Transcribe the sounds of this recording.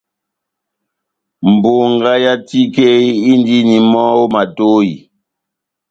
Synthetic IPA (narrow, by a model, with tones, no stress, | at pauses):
m˨bo˨ŋɡa˦ja˦ti˦ke˦i˦n˦di˦ni˨mɔ˦o˦ma˨to˦ji˨